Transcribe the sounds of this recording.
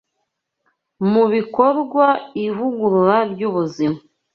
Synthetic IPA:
muβiko̞ɾɡwaivuɡuɾuɾabɟuβuzima

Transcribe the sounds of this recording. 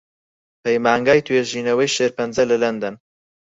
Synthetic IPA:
pɐjmaːŋɡaːjt̪ʰweːʒiːnɐwɐjʃeɾpɐnzɐlɐlɐnd̪ɐn

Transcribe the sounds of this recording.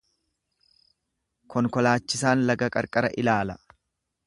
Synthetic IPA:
kʰɔŋkɔlaːt͡ʃːɪsaːnlɐɡɐkʼɐ̰ɾkʼɐɾɐʔɪlaːlɐ

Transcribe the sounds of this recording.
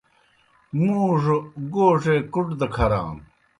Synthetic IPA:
muːʂoɡoːʂekuʈd̪ɐkʰɐɾa̰ːn

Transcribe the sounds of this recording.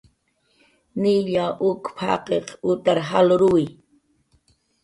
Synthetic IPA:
niʎaʔʊkpʰa̰qeqʊt̪aɾɦaloɾuj

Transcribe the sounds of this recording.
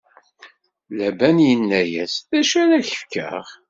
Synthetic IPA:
læbænjənːæjæsðæʃæɾæçə̥fkə̰ʁ

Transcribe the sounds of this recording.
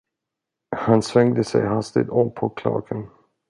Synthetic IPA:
hansvɛŋd̪əsɛ̰jɦast̪ɪ̰d̪ɔmpʰɔkʰlɑ̰ːɡən

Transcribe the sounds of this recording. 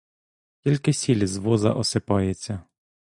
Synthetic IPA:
kʲilʲkɪsʲilʲzʋɔzɐ̰ʔɔsɪpɑjet͡sʲːɐ

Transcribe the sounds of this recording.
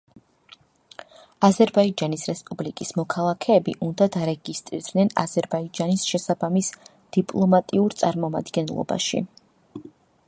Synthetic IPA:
azɛɾbaid͡ʒanisɾɛspʼublikʼismɔkʰalˠakʰɛːbiʔund̪ad̪aɾɛɡist̪ʼɾiɾd̪nɛna̰zɛɾbaid͡ʒanisʃɛsabamis | d̪̥ipʼlˠɔmat̪ʼiuɾt̪sʼaɾmɔma̰d̪ɡɛnlˠɔ̰ba̰ʃḭ

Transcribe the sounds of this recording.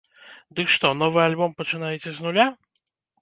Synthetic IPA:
d̪ɨkʂt̪ɔnɔvɨjalʲbɔmpɐt͡ʂɨnajɛt͡sʲɛznʊlʲa

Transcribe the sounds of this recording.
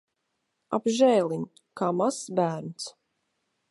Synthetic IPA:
a̰bʒɛːlˠin | kaːmasbæːɾnt̪s

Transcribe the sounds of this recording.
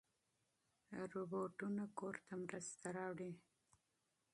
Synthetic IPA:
ɾoboʈunakoɾt̪amɾəst̪aɾɑwɽi

